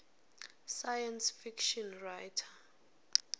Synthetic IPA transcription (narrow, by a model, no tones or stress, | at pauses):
sajansfikʃɔnrajtʰḁ